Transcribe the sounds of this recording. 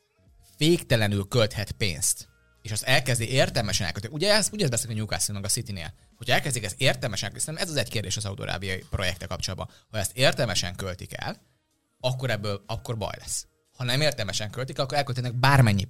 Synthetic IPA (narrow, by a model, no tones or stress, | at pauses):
feːkt̪ɛlɛnylkølt̪hɛt̪pḛːnst̪ | eːʃɒst̪ɛlkɛzd̪iʔeːrt̪ɛlmɛʃɛnɛ̰lkølt̪uɟɛɛzuɟɛzbɛsikɒɲuka̰ːsinmɛɡɒsit̪inḛːl | hocʰɒɛlkɛzd̪ikɛseːrt̪ɛlmɛʃɛŋkøsɛnːɛmɛzɒzɛckeːrd̪eːʃɒzɒud̪o̰ɾa̰ːbijɒjipro̞jɛkt̪ɛlkɒp̚t͡ʃolad̪bɒ̰nhɒɛst̪eːrt̪ɛlmɛʃɛ̰ŋkølt̪ikɛ̰l | ɒkːo̞ɾɛbːøːlɒkːo̞rbɒ̰jlɛ̰sː | hɒnɛmeːrt̪ɛlmɛʃɛŋkølt̪iklɒkːoɾɛlkølt̪ɛnɛɡ̚baːrmɛɲːi